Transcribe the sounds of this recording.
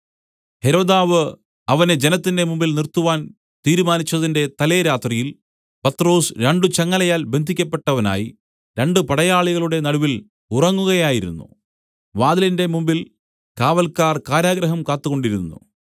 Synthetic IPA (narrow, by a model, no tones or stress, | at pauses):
he̞ɾo̞ːd̪aːʋɨ | ɐʋɐned͡ʑe̞nɐt̪ːinde̞mumbilnirt̪ːuʋaːn | t̪iːɾumaːnit͡ɕːɐðinde̞t̪ɐle̞ːɾaːt̪rijil | pɐt̪ro̞ːsɾeɳɖut͡ɕɐŋːɐlɐjaːlbe̞nd̪ʱikʲːɐpːe̞ʈːɐʋɐna̰ːji | ɾe̞ɳɖɨpɐɽɐjaːɭiɣɐɭuɽe̞nɐɽuʋil | urɐŋːuɣɐjaːjiɾṵnːṵ | ʋaːðɐlinde̞mumbil | kaːʋɐlkaːrkaːɾjaːɡɾɐɦɐmkaːt̪ːuɣo̞ɳɖiɾunːṵ